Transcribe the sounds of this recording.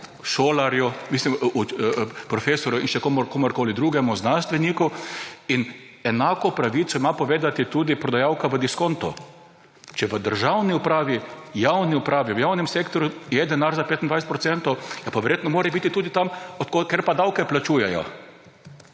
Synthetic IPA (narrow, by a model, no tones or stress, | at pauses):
ʃoːlaɾjumiːslimupɾɔfeːsɔɾjuinʃɛkomɔɾkoːmoɾkoːlid̪ɾuːɡɛmuznanst̪ʋɛniːkuin | ɛnaːkɔpɾaʋiːt̪sɔimapɔʋeːd̪at̪it̪uːd̪ipɾɔd̪ajawkaʋəd̪iskont̪ʊ̰ | t͡ʃɛʋəd̪əɾʒawniʊpɾaːʋijawniʊpɾaːʋiʋəjawnɛmseːkt̪ɔɾjujɛd̪ɛnaɾzapeːt̪ind̪ʋajset̪pɾɔt̪sɛnt̪ɔwjɛpaʋɛɾjeːt̪nɔmoːɾɛbiːt̪it̪uːd̪it̪amɔt̪kokeɾpad̪awkɛplat͡ʃuːjɛjɔ̰